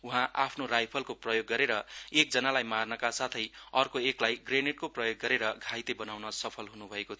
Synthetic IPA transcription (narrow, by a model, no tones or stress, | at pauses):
uɦãʔapʰnorajpʰʌlkoprʌjoɡːʌɾeɾʌek̚d͡zʌnalajmarnʌkasat̪ʰʌjʌrkoeklajɡreneʈ̚koprʌjoɡːʌɾeɾʌɡʱajt̪ebʌnawnʌsʌpʰʌlɦunubʱʌekot̪ʰ